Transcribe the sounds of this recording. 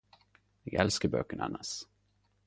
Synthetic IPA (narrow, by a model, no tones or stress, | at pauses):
jɪɡɛlskəɾbœ̰kːəɳa̰nːaʂ